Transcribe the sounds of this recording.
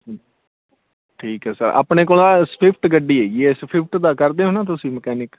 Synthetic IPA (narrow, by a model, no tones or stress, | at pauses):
ʈʰiːkɦɛːsə̰ɾa̰ːpɳeːk̬oːlãːspʰɪpʰʈɡəɖːiːɦeːɡiɛːspʰɪpʰʈd̪aːkəɾd̪eːɦõːnãːt̪ʊsĩːməkɛːnɪk